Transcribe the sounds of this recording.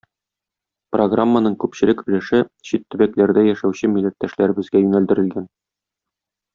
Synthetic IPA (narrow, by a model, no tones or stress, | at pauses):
proɡramːanɤɴkʉpɕɘ̆lɘkɵ̆lɘʃɘɕit̪ːɵ̆bæklæɾd̪æjæʃæwɕɘmilːæt̪ːæʃlæɾɘ̆bɘ̆zɡæjʉnæld̪ɘ̆ɾɘ̆lɡæn